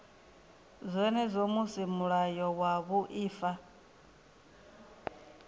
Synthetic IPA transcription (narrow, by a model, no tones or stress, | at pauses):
zʷɛnɛzʷomusimuɺajɔwaβuʔiːfa